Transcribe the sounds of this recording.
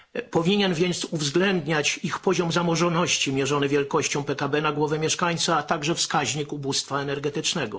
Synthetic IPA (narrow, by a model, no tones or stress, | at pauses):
pɔvʲiɲɛnvʲjɛnt̪suvzɡlɛnd̪ɲat͡ɕixpɔʑɔmzamɔʐɔnɔɕt͡ɕimʲjɛʐɔnɘvʲjɛlkɔɕt͡ɕɔ̃w̃pɛkabɛnaɡwɔvɛmʲjɛʂkaɲt̪saːt̪aɡʐɛfskaʑɲikubust̪faɛnɛɾɡɛt̪ɘt͡ʂnɛɡɔ